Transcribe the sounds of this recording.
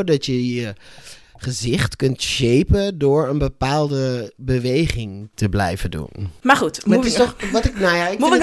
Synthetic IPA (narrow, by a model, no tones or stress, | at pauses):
dɔtjəjə | χəzɪχtkʏntʃeːpədʊːɹənbəpaːlˠdəbəʋejχɪŋtəblɛ̰jvədṵnmaxutmɔʋɔtɪknajaɪk